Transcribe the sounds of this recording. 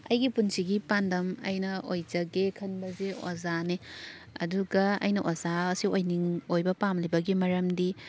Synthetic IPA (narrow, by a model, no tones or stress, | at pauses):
ɐjɡipunsiɡipandɐmɐ̰jnɐojzɐɡekʰɐnbɐzeozaneɐ̰duɡɐɐ̰jnɐʔozaɐsiojniŋojbɐpamlibɐɡimɐɾɐmdi